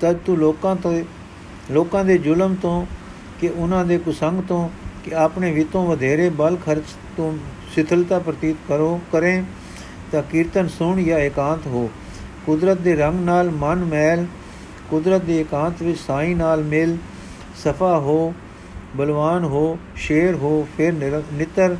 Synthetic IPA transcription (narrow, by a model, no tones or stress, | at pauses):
t̪əd̪t̪ũloːkãːt̪o | loːkãːd̪eːd͡ʒʊləmt̪õː | kɪʔʊnãːd̪eːkʊsəŋɡt̪õːkɪaːpɳeːʋɪt̪õːʋəd̪ʱeːɾeːbəlkʰəɾt͡ʃ | t̪õː | sɪt̪ʰəlt̪aːpɾət̪iːt̪kəɾokəɾẽː | t̪ãːkɪɾt̪ənsʊɳjãːɪkãːt̪ɦoː | kʊd̪ɾət̪̚d̪eːɾəŋɡnaːlmənmɛːl | kʊd̪ɾət̪̚d̪eːɪkãːt̪ʋɪt͡ʃsaːĩːnaːlmɪl | səpʰaːɦoː | bəlʋaːnɦoːʃeːɾɦoːpʰɪɾnɪt̪əɾ